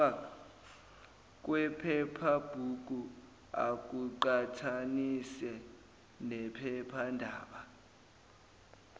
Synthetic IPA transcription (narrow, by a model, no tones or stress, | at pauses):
a | k̬ʼwɛpʰɛpʰab̥ʱuk̬ʼu | a̰k̬ʼuǃatʰanisɛ | nɛpʰɛpʰandʱaːɓa